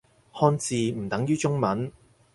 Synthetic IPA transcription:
hɔː˧nt͡siː˨˧m̩˨˩t̪ɐ˨˥ŋjyː˥t͡sʊ˥ŋmɐ˨˥n

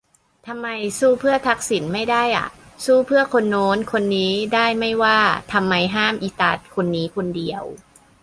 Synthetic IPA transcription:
t̪ʰa˧mːa˧jsuː˥˩pʰɯ˥˩ɐt̪ʰa˦˥k̚si˩˦nma˥˩jda˥˩jʔa̰˨˩ʔsuː˥˩pʰɯ˥˩ɐkʰo˧nːoː˦˥nkʰo˧nːiː˦˥daː˥˩jma˥˩jwaː˥˩t̪ʰa˧mːa˧jɦaː˥˩mʔi˨˧˩t̪a˧˩t̪̚kʰo˧nːiː˦˥kʰo˧ndi˧əw

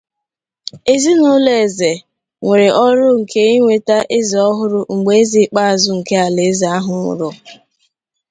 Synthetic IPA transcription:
e˦zi˦nʊ˦le˨e˨ze˨ | ŋʷe˨ɾɪ˨ʔɔ˦ɾʊ˦ŋ̩˨ke˦i˦ŋʷe˨ta˦ʔe˦zi˨ɔ˦ɦʊ˦ɾʊ˦ŋ͡m̩˨ɡ͡be˨e˦zi˨˦k͡pa˦a˨zʊ˦ŋ̩˨ke˦a˨le˨˦zi˨a˦ɦʊ˨ŋʷʊ̰˨ɾʊ˨

